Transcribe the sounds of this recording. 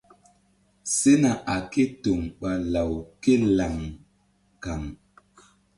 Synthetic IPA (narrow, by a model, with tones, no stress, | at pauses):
se˦na˨ʔa˨ke˦to˨ŋɓa˨la˨wke˦la˨ŋ | ka˨ŋ